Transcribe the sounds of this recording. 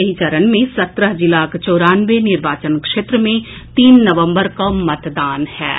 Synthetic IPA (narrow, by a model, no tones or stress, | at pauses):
eɦit͡ʃɐɾənmẽsɐt̪ɾəɦd͡ʒɪlaːkt͡ʃɔːɾaːnʋenɪɾʋaːt͡ʃənkʃeːt̪ɾəmẽ | t̪iːnːɐʋə̃mbəɾkamɐt̪d̪aːnhɛ̰ː